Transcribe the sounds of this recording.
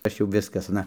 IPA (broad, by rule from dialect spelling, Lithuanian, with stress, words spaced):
ˈɐʃ jɛʊ ˈʋʲɪskɐs ɐˈnɐ